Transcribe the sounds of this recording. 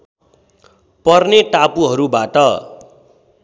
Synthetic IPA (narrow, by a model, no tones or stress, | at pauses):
pʌrneʈapuɦʌɾubaʈʌ